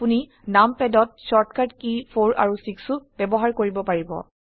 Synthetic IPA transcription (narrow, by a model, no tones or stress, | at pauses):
puni | nampɛdɔt̚sɔɹtkaɹtkipʰoɹa̰ɹusiksub̥ɛbɔɦaɹkoɹibɔpaɹibɔ̰